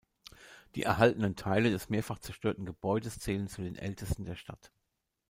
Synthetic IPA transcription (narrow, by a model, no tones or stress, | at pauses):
d̥ḭːʔɛɐɦaltənəntʰaɪlədɛsmeːɐfaχt͡sɛɐʃtøːɐtn̩ɡəb̥ɔʏdəst͡sɛːlənt͡sudeːnʔɛ̰ltʰəstn̩deːɐʃtʰa̰t